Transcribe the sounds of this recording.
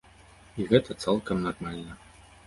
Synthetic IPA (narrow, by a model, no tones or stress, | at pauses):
iɣɛt̪ʰɐt̪salˠkɐmnɐrmalʲnɐ